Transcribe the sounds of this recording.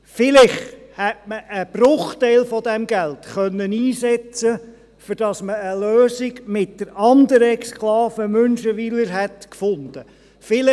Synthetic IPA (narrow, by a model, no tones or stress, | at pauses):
fɪlɪχhɛtməʔəb̥rʊχtɛɪlfɔd̪ɛmɡɛlt̪χœnːəniːsɛt͡sə | fʏɾd̥ɑsməːløːsiɡmɪt̚d̥əɾɑnd̪əɾəksklɑːfəmœnʃəʋiləɾɦɛtkfʊnd̪̥ə | fɪlɪ